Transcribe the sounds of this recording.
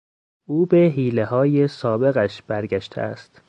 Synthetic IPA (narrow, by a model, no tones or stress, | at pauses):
ʔuːbe̞ɦiːlehɒːjesɒːbe̞ɣæʃb̥æɾɡæʃt̪ʰḛæ̰st̪